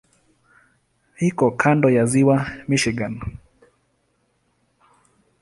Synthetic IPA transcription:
hikɔkʰandɔjaziwamiʃiɡan

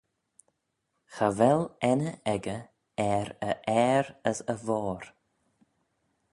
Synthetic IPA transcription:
xavɛlɛnəɛɡə | ɛɾəʔɛːɾəsəvɔːɾ

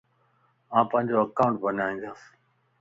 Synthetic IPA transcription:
ãːpɐ̃ɦɪ̃ɲd͡ʑoːəkaːʊ̃ɳʈ̚bənaːʋĩːnd̪aːs

